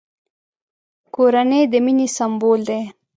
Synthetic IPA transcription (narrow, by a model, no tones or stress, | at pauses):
koɾanejd̪əminisambold̪e